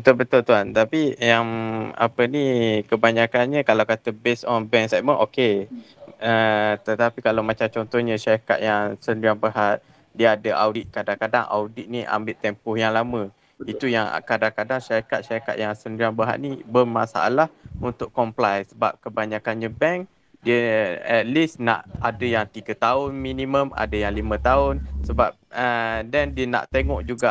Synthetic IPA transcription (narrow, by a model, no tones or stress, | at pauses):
ət̪ʊlbət̪ʊlt̪uant̪apijaŋa̰pənikəbaɲakanɲəkalawkat̪əbesɔnbɛŋsat̪̚mə̃nʔoke | ət̪ət̪apikalawmat͡ʃamt͡ʃɔnt̪ɔhɲə̃ʃaɾika̰t̪̚jaŋsənduaŋbəɦat̪̚ | diaːdəʔawdit̪̚kadaŋkadaŋʔa̰wdit̪̚niʔa̰mbɪʔt̪ɛmpʊhjaŋlamə̃ | it̪ujaŋ̰kadakadaŋʃaɾika̰t̪̚ʃaɾika̰t̪̚jaŋsənuaŋbəɦa̰ʔ̪̚nibəmasa̰a̰lahunt̪ʊkkːɔmplajsəba̰p̚kəbaɲakanɲəbɛŋ | diəɛt̪̚lisna̰ʔadəjaŋt̪iɡət̪aʊnminimə̃ma̰dəjaŋlimə̃t̪aʊnsəbap̚ədɛndiəna̰ʔt̪eŋɔʔ̚d͡ʒuɡaʔ